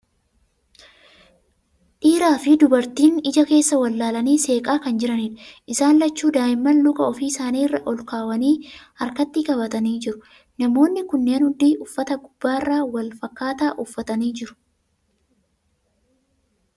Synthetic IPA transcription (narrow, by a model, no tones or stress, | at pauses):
ᶑiːɾaːfɪd̪ʊbɐɾt̪iːnɪd͡ʒɐke̞ːsːɐwɐlːaːlɐniːse̞ːkʼaːkɐnd͡ʒɪɾɐniːᶑɐʔɪsaːnlɐt͡ʃːuːd̪aːʔɪmːɐnlʊkʼɐɔfiːsaːniːrːɐʔɔlkaːwɐniː | ɐɾkɐt̪ːikʼɐbɐt̪ɐniːd͡ʒɪɾʊ | nɐmo̞ːnːɪkʊnːeːnhʊd̪iːʊfːɐt̪ɐɡʊbːaːɪrːaːwɐlfɐkːaːt̪aːʔʊfːɐt̪ɐniːd͡ʒɪɾʊ̥